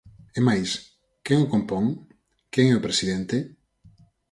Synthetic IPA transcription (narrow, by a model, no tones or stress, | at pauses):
emajs | keŋokompoŋ | keŋɛʊpɾesiðɛnt̪e